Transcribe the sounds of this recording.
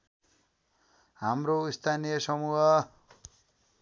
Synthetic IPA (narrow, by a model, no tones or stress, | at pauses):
ɦamroist̪ʰanijʌsʌmuɦʌ